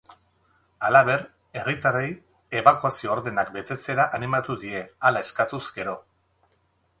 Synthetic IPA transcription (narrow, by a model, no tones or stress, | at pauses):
alaβ̞e̞ɾ | e̞rit̪arej | e̞βakuasioːɾðe̞nakbe̞t̪e̞t͡se̞ɾaʔanimat̪uðie̞alae̞skat̪uzɡe̞ɾo̞